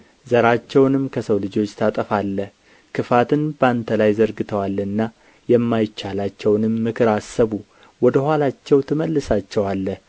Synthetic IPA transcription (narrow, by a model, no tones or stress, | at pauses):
zəɾat͡ʃːɛwnɨmkʰəsəwlɨd͡ʒo̞t͡ʃːt̪ʰat̪ʼəfalːəh | kʰɨfat̪ʰɨnbant̪ʰəlajzəɾɡɨt̪ʰəwalːɨnːa | jɛmːajɪt͡ʃːalat͡ʃːɛwnɨmːɨkʰɨɾasːəβu | wɔd̪əhʷalat͡ʃːɛwt̪ʰɨməlːɨsat͡ʃːɛwalːəh